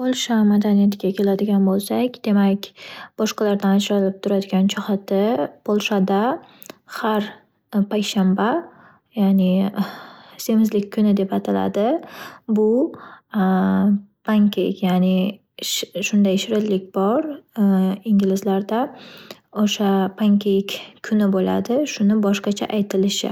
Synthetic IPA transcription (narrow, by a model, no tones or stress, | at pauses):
pʰolˠʃamad̪anijat̪ʰɪɡʲakʲʰe̞lad̪ɪɡʲanbolˠsakʲd̪̥e̞makʲb̥ɒʃqɑlaɾd̪anad͡ʒɾalɪp̚t̪ʰʊɾad̪ɪɡʲant͡ʃʰɒχat̪ʰɪpʰolˠʃad̪a | haɾ | pʰakʲʃamba | janɪ | se̞mɪzlɪkʲkʰːʊnɪd̪e̞pat̪ʰala̰d̪ɪbʊ | pʰaŋkʰʲejkʲjanɪ | ʃʃʊnd̪ajʃɪɾɪlɪkʲbɒɾ | iŋɡʲlɪzlaɾd̪a | oʃapʰaŋkʲʰekʲʰːʊnɪbola̰d̪ɪʃʊnɪbɒʃqɑt͡ʃʰa̰ʔajt̪ʰɪlɪʃɪ̰